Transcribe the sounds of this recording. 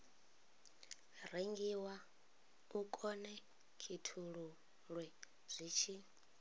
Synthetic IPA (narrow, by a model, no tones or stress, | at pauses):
reŋɡiwa | ukʼɔnɛ | kʰitʰuɺu | ɺwɛ | z̥ʷiːt͡ʃʰi